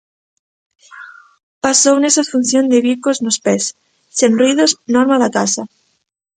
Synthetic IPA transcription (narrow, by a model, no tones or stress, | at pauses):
pasownesafun̟θjond̪eβikoznospesː | enrriðoznoɾmaðakasa